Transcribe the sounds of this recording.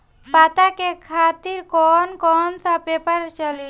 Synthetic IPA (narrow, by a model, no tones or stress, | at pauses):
pat̪akekʰat̪iɾkɔnkɔnsapepaɾt͡ʃɔli